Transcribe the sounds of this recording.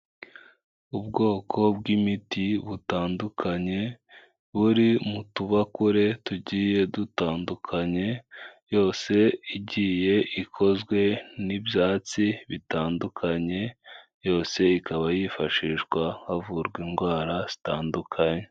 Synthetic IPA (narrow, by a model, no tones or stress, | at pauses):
ubɡo̞ːkʰo̞bɡimitiβutaːndukʰaɲe̞ | βuɾimutuβakuɾe̞tuɟiːje̞dutaːndukʰaɲe̞jo̞ːse̞iɟiːje̞ʔikʰo̞zɡwe̞nibjaːt͡siβitaːndukʰaɲe̞ | jo̞ːse̞ikʰaβajifaʃiːʃɡwahavuɾɡwinɡwaːɾaz̥itaːndukʰaɲe̞